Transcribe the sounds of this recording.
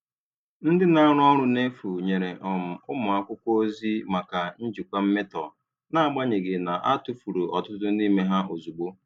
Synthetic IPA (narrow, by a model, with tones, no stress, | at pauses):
n̩˦dɪ˦na˦ɾʊ˦ɔ˦ɾʊ˦ne˦fu˨ɲe˨ɾe˨ʔɔ˨m̩˨ʊ˦mʊ˨a˦kʷʊ˦kʷo˦o˦zi˦ma˨ka˨n̩˦d͡ʒi˨kʷa˦m̩˦me˦tɔ̰˨ | na˦a˨ɡ͡ba˦ɲe˨ɡe˨na˨ʔa˦tu˦fu˨ɾu˨ɔ˨tʊ˦tʊ˦ni˦me˦ɦa˦ʔo˨zu˨ɡ͡bo˦